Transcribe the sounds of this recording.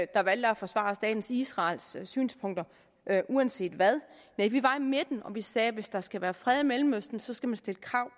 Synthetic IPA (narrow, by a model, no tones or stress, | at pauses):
d̥ɑ̈ʋæl̰d̥æfɒ̽sʋɑ̰̈ːsd̥ɛ̰ːd̥n̩sisʁɑ̈ːlssy̰ːnspʰɔ̽ŋ̰d̥ɐ | ʔʔuænse̝̰ːd̥ʋæð̞ˠneʋiʋɑ̈ime̝d̥n̩ɒ̽ʋisɛːʋe̝sd̥ɑ̈sɡ̥æʋæːɐfʁɛð̞ˠimelm̩øsd̥n̩sɒ̽sɡ̥æmænsd̥e̝ləkʰʁɑ̈ʊ̰